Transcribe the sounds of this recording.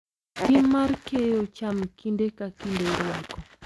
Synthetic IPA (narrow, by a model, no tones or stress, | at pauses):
timaɾkejot͡ʃamkʰindekakindeɾwakɔ